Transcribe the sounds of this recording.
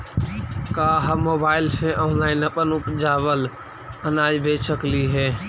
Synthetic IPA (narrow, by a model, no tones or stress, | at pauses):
kaːɦəmːoːbaːɪlsẽʔɔːnlaːɪnəpənʊpd͡ʒaːbəl | ənaːjbʱeːt͡ʃəkliɦɛː